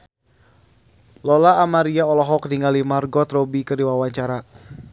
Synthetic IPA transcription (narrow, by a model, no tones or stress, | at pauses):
lɔlaːmaɾiaɔlɔɦɔk̚diŋalimarɡɔt̪ɾɔbikədiwawaɲt͡ʃaɾa